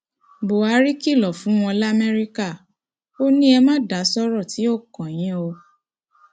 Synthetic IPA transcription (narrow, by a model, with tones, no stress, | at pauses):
bo˨a˧˦ɾi˦ki˦˨lɔ˨fũ˨˦w̃ɔ̃˧la˦mɛ˦ɾi˦ka˦˨ | o˦nĩ˦ɛ˧mã˦da˨˦sɔ˦ɾɔ˦˨ti˨˦o˦˨kɔ̃˨j̃ĩ˨˦o˧